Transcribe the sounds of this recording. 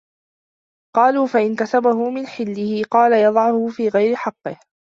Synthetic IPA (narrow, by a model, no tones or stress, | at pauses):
qɑːluːfaʔɪnkasabaɦʊmɪnħɪlːɪhɪqɑːlajɑd̪ˤɑʕʊhʊfiːɣajɾɪħɑqːɨh